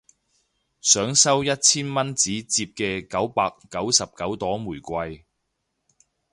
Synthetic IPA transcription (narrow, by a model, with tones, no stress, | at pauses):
sœː˨˥ŋsɐ˥wjɐ˥t̚t͡sʰiː˥nmɐ˥nt͡siː˨˥t͡siː˧p̚kɛː˧kɐ˨˥wpaː˧kːɐ˨˥wsɐ˨p̚kɐ˨˥wt̪ɔː˨˥muː˨˩jkʷɐ˧j